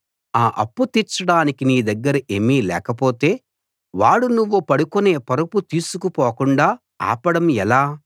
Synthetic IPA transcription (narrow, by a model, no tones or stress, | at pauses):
aːʔɐ̰pːut̪it͡ʃːɐɽaːnikiniːd̪ɐɡːɐɾɐʔemiːlɛ̰ːkɐpo̞ːt̪e̞ː | ʋaːɽunuʋːupɐɽukune̞ːpɐɾuput̪iːsukupoːkuɳɖaː | a̰ːpɐɽɐmɛlaː